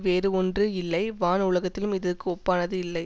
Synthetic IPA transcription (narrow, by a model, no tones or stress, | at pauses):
ʋeːɾɯɔndrɯɪlːɐɪʋaːnʊɭɐɣɐt̪ːɪlɯmɪðɯrkːɯɔpːaːnɐðɯɪlːɐɪ